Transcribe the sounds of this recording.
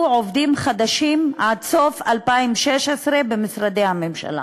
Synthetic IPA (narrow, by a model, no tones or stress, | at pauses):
ʕovd̪imχad̪aʃimʕadso̞falpaimʃeʃesʁebemisʁad̪ejhame̞mʃa̰la̰